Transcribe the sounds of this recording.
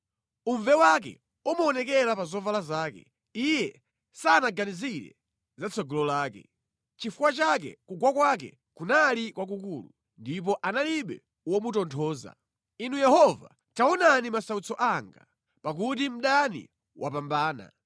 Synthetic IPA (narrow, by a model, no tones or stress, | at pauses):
uɱvɛwak̬ɛ̰ | umuɔnɛkɛɾapazɔvalazaːkɛ̰ | ijɛ | saːnaɡaniziɾɛ̰ | zat͡sʰɔɡɔlɔlaːkɛ̰ | t͡ʃifuwat͡ʃak̬ɛ̰kuɡwakwak̬ɛ̰ | kunalikwak̬ukuːlṵ | ndip̬ɔʔanaliɓɛ̰ | wɔmutɔntʰɔːza̰ | inujɛhɔva̰ | taɔnanimasaut͡sɔʔaŋɡa̰ | pak̬utim̩ɗanḭ | wʔapambaːna̰